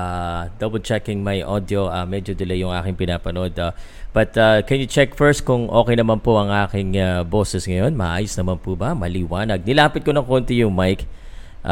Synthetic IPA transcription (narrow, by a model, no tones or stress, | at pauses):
ʔad̪ɐbɛlt͡ʃɛkɪŋmɐjʔod̪oʔamɛd͡ʒod̪ɐlɐjʊŋʔa̰ːkɪŋpɪnaːpɐno̞d̪a | b̥ɐt̪akɛnjʊt͡ʃɛk̚fɛɹst̪̚kʊŋʔo̞̰ːkɛjnɐmanpoʔɐŋʔaːkɪŋabo̞ːsɛsŋɐjo̞nmɐʔaːjosnɐmanpubɐmɐliwaːnɐɡ̚nɪlaːpɪt̪̚konɐŋkont̪ɪjʊŋmajk | ʔ